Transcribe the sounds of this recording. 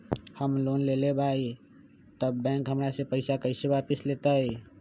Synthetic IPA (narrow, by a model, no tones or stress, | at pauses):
həmlonlelebʱai | t̪əbːɛ̃ŋkɦəmɾasẽpəɪsakəɪsebapislet̪əj